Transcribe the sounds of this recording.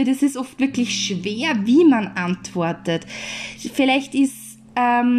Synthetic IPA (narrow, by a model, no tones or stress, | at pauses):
ədɛsɪstɔftvɪɐklɪçʃveːɐviːmanʔantv̥ɔɐtətfɪlæɪçtɪs | ɛm